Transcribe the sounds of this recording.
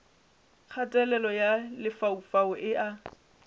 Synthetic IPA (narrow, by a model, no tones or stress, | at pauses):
k͡xʰatʼɛlɛlɔjalɪfaufaʊʔɪʔa